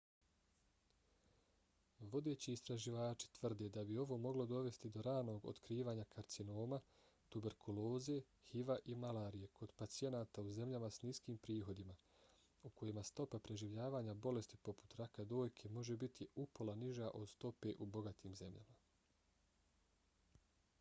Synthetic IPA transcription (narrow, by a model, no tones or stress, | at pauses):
ʋo̞d̪e̞ːt͡ɕiːst̪ɾaʒiʋaːt͡ʃi̥t̪ʋr̩d̪ed̪abio̞ʋo̞ːmo̞ɡlo̞d̪o̞ʋe̞st̪id̪o̞ɾaːno̞ːɡo̰t̪kɾiːʋaːɲakʰaɾt̪sino̞ːma | t̪ube̞ɾkʰulo̞ːzije̞ | hiʋaʔimalaːɾije̞kʰo̞d̪̥pat̪sije̞naːt̪auze̞mʎamasniskiːmpɾiːɦo̞d̪ima | ukʰo̞jimast̪o̞papɾe̞ʒiʋʎaːʋaːɲabo̞le̞st̪ipo̞pu̥t̪ɾakad̪o̞ːjkʰe̞mo̞ʒe̞bit̪ʰiupo̞lˠaniʒaʔo̞d̪st̪o̞pe̞ʔubo̞ɡat̪ʰiːmze̞mʎa̰ma